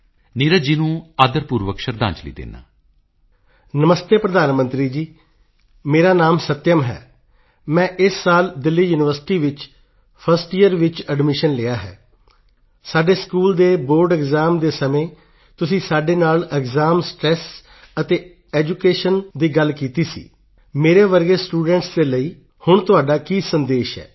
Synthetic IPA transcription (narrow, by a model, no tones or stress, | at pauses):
niːɾəd͡ʒiːnũːaːd̪əɾpuːɾʋəkʃəɾd̪ã̰ːɲt͡ʃlḭːd̪ḛːna̰ː | nəməst̪eːpɾəd̪aːnmə̃nt̪ɾiːd͡ʒiː | meːɾaːnaːmsət̪ːjəmɦɛ̰ː | mɛ̃ːʔɪsːaːld̪ɪlːiːjuːnɪʋəɾsɪ̥ʈiːʋɪt͡ʃ | pʰəɾsʈijəɾʋɪt͡ʃəɖmɪʃənlɪaːɦɛ̰ː | saːɖeːskuːld̪eːboːɾɖɛɡzaːmd̪eːsəmẽː | t̪ʊsĩːsaːɖeːnaːlɛɡzaːmsʈɾɛːs | ət̪eː | ɛːd͡ʒuːkeːʃənd̪iːɡəlkiːt̪iːsḭː | meːɾeːʋəɾɡeːsʈuːɖɛ̃ːɳʈsd̪eːləiː | hʊɳt̪ʊaːɖaːkiːsənd̪eːʃɦɛ̰ː